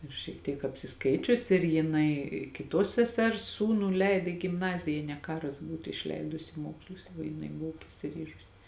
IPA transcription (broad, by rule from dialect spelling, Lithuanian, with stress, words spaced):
ɪr ʃʲiɛk ˈtʲiɛk ɐpʲsʲɪˈskɐɪt͡ʃʲʊs ɪr jɪˈnɐɪ kʲɪˈtuɔs sʲɛˈsʲɛrs ˈsuːnuː ˈlʲɛɪt ɪ ɡʲɪmˈnɑːzʲɪjɛ jeː nʲɛ ˈkɑːrɐs ˈbuːtʊ ɪʃʲˈlʲɛɪdʊsʲɪ ɪ ˈmoːkslˠʊs ʋɐ jɪˈnɐɪ ˈbʊʋoː pɐsʲɪˈrʲiːʒʊsʲɪ